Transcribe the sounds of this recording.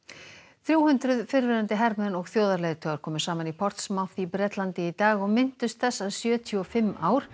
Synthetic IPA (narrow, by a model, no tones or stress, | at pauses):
θɾjuːhʏnt̪ɾʏðfɪɾvɪɾant̪ɪɦɛɾmɛnɔɣθjoːwðaɾlɛːjðt̪ʰœːɣaɾ̥kʰɔːmʏsaːmanipʰɔr̥t̪smawθipɾɛt̪lant̪ɪit̪aːɣɔɣmɪn̥t̪ʏst̪θɛsːaðsjœːt̪ʰjʏɔfɪmːʔaːwɾ̥